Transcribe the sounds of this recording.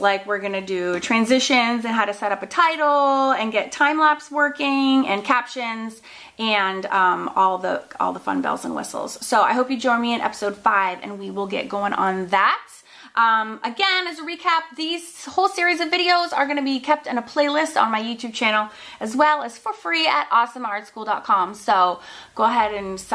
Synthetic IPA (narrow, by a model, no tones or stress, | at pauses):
laɪkwɨɹɡʌnɨdɨtʰɹ̥æ̃nzɪʃɨ̃nzɨ̃nɦaʊɾɨsɛɾʌpɨtʰaɪɾl̩ˠɨ̃nɡɛtʰãɪ̃mlæpswɜ˞kɪ̃ŋɨ̰̃nkʰæpʃɨ̃nz | ɨ̃ndʌ̃mɔlˠðə̰ɔ̰lˠðəfʌ̰̃nbɛ̰lˠzə̰̃nwɪ̰sl̩ˠz̥soʊa̰ɪɦoʊpjɨd͡ʒɔ̃ɪ̃nmiɨ̃nʔɛ̰pə̥soʊd̥faɪvɨ̰̃nwiwɪlˠɡɛ̰t̚ɡ̥oʊɪ̃ŋʔə̰̃nðæt̚ | ʔʌ̃mɨɡɛ̃nɨzəɹikʰæp̚ðiz̥hoʊlˠsɪɹizʌvɪɾioʊzə˞ɡʌñɨbikʰɛp̚tɨ̃nəpʰl̥eɪlɪstn̩maɪjʉtʰʉb̚t͡ʃʰænl̩ˠɨzwɛlˠəz̥fə˞fɹiɨɾʔɔsə̃mɑɹdskulˠdɑt̚kʰɑ̃msoʊɡ̥oʊəɦɛɾɨ̃ns